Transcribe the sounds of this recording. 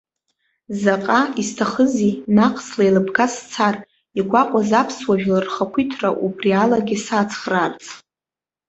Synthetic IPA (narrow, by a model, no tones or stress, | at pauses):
zaqʼaistʰaχəzinaqʰʼslailɨpʰɡast͡sʰar | iɡʷaqʷʼazapʰswaʒᶣlarχakʷʰitʰraʔubrialaɡʲisat͡sʰχrart͡sʼ